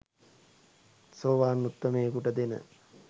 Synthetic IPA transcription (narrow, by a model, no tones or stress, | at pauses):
soːʋaːnːut̪ːɐmeːkuʈəd̪enə̰